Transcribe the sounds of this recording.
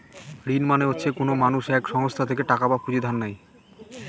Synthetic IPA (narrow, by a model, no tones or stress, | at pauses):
ɾinmaneɦotːɕʰekonomanuʃɛkʃɔŋost̪ʰat̪ʰekeʈakabapud͡ʑid̪ʱanːaj